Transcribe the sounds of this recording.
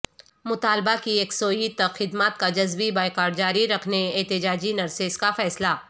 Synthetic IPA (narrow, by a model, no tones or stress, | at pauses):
mʊt̪aːlbakieːksoːit̪ɐxɪd̪maːt̪̚kad͡ʒɐzbibaːɪkaːɾɖ̚d͡ʒaːɾiɾɐkʰneeːt̪ɪd͡ʒaːd͡ʒinɐɾseːskafɛːslaː